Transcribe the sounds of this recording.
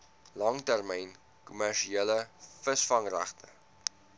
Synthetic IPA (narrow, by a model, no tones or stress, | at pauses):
lɐŋtærmɛjn | kumærʃieləfəsfɐŋræ̰χtə̰